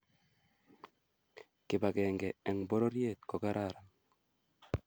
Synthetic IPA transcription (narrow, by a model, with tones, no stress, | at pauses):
kɪ˨ba˨kɛː˨ŋɡɛ˨ɛ˨ŋbɔ˦ɾo˦ɾje˦˨t̪kɔ˨ɡa˦ɾa˦˨ɾa˨